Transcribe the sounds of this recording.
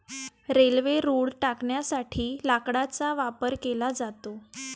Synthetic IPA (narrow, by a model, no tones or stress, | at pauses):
ɾelʋeɾuːɽʈakɳjasaʈʰiːlakɽat͡saʋapəɾkelad͡zat̪o